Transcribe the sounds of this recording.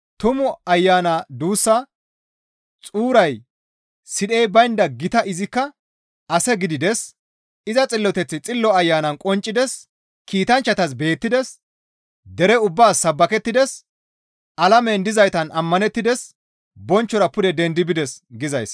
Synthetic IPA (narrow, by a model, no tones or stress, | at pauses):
t̪ʊmʊɐjːaːnɐd̪uːsːɐ | t͡sʼuːɾɐj | sɪd̪ejbɐjnd̪ɐɡɪt̪ɐʔɪzɪkːɐ | ʔɐsɛɡɪd̪ɪd̪ɛs | ɪzɐt͡sʼɪlːɔt̪ɛt͡sːɪt͡sʼɪlːɔɐjːaːnɐnkʼɔnt͡ʃʼːɪd̪ɛs | kiːt̪ɐnt͡ʃːɐt̪ɐs̬be̞ːt̪ːɪd̪ɛs | d̪ɛɾɛʊbːaːsːɐbːɐkɛt̪ːɪd̪ɛs | ʔɐlɐmɛnd̪ɪzɐjt̪ɐnɐmːɐnɛt̪ːɪd̪ɛs | bɔnt͡ʃːɔɾɐpʊd̪ɛd̪ɛnd̪ɪbɪd̪ɛsɡɪzɐjs